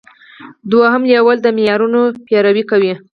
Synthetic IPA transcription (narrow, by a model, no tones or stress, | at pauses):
d̪waɦəmljawəld̪əmɪjɑɾunopjɑɾawikawi